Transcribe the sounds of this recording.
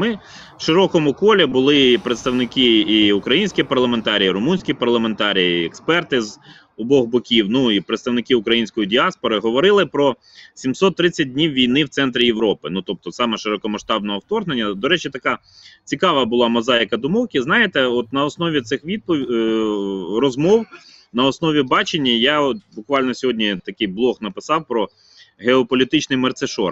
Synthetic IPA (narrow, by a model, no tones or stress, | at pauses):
mɪ | ʃɪɾɔkɔmʊkɔlʲibʊlˠɪpɾet̪st̪ɐʋnɪkɪiʊkɾɐjinʲsʲkʲipɐrlˠɐment̪ɑɾʲijiɾʊmunʲsʲkʲipɐrlˠɐment̪ɑɾʲijiɛkspɛrt̪ɪz | ɔbɔɦbɔkʲiwnuipɾet̪st̪ɐwnɪkɪʊkɾɐjinʲsʲkɔjidʲiɑspɔɾɪɦɔʋɔɾɪlˠɪpɾɔ | sʲimsɔt̪ːɾɪt͡sʲːɐt̚dʲnʲiwʋʲijnɪwt̪sɛnt̪ɾʲɪjeʋɾɔpɪnut̪ɔp̚t̪ɔsɑmɛʃɪɾɔkɔmɐʃt̪ɑb̚nɔɦɔwt̪ɔrɦnenʲːɐd̪ɔɾɛt͡ʃɪt̪ɐkɑ | t͡sʲikɑʋɐbʊlˠɑmɔzɑjɪkɐd̪ʊmɔwkʲiznɑjet̪ɛɔt̪nɐɔsnɔʋʲit̪sɪxʋʲid̪̚pɔ | rɔzmɔw | nɐɔsnɔʋʲibɑt͡ʃenʲːɐjaɔt̪̚bʊkʋɑlʲnɔsʲɔɦɔdʲnʲit̪ɐkɪjblˠɔxnɐpɪsɑwpɾɔ | ɦeɔpɔlʲit̪ɪt͡ʃnɪjmɐrt̪seʃɔ̰r